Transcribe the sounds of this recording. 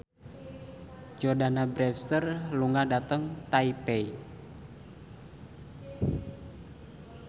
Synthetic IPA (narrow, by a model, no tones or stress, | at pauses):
d͡ʒɔrdanabɾɛfst̪ərluŋadat̪əŋt̪aipɛi